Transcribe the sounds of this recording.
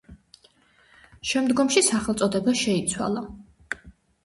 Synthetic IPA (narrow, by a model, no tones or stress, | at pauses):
ʃɛmd̪ɡɔmʃisaχɛlt̪sʼɔd̪ɛbaʃɛit̪sʰwa̰lˠa